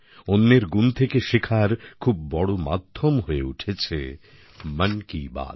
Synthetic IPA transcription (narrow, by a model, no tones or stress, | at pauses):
onːeɾɡunt̪ʰekeʃikʰaɾkʰubːɔɽoma̰d̪ʱːomɦoeuʈʰet͡ɕʰḛ | mənkiba̰d̪